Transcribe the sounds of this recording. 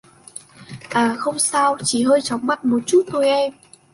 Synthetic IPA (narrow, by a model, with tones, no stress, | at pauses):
ʔaː˨˩xə˧wŋ͡msaː˧wt͡ɕi˧˩ɦəː˧jt͡ɕɔ˨˦wŋ͡mma̰˧˨nmo˨˩t̚t͡ɕu˦˥t̚t̪o˧jʔɛ˧m